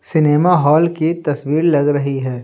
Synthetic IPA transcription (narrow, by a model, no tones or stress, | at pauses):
sɪneːmaɦɔːlkit̪ɐswiːɾlɐɡɾɐɦiɦɛː